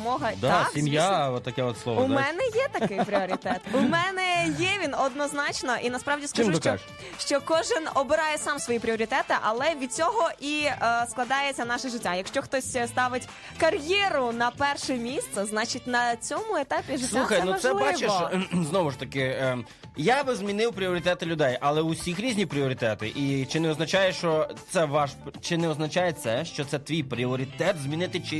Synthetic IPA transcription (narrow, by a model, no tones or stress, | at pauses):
mɔɦɐd̪aimjat̪ːɐkɛɔt̪slˠɔʋʊmɛnɛjɛt̪ɐkɪjpɾʲiɔɾʲt̪ɛt̪umɛnɛjɛʋʲinɔd̪nɔznɑt͡ʃnɔʔinɐspɾɑʋdʲiskɐɪmɪkt͡ʃɔ | ʃt͡ʃɔkɔʒɪnɔbɪɾɑjɛsɑmsʋɔjipɾʲɪɔɾʲit̪ɛt̪ɪʔɐlˠɛʋʲid̪̚t͡sʲɔɦɔʔisklˠɐd̪ɑjet͡sʲːɐnɑʃɛʒɪtʲːajɐkʃt͡ʃɔxt̪ɔsʲst̪ɑʋɪtʲ | kɐrjɛɾʊnɐpɛrʃɛmʲist̪sɛznɑt͡ʃitʲnɐt͡sʲɔmʊet̪ɑpʲiʒɪtsʲlˠuxɐjnusɛbat͡ʃeʃznɔʋʊʃt̪ɐkɪ | jabɪzmʲinɪwpɾʲiɔɾʲit̪ɛt̪ɪlʲʊd̪ɛjʔɐlˠɛʊsʲixɾʲizʲnʲipɾʲiɔɾʲit̪ɛt̪ɪʔit͡ʃɪnɛɔznɐt͡ʃajɛʃt͡ʃɔt̪sɛʋɑʃt͡ʃɪnɛɔznɐt͡ʃajɛt̪sɛʃt͡ʃɔt̪sɛt̪ʋʲijpɾʲiɔɾʲit̪ɛt̪zmʲinɪt̪ɪt͡ʃɪ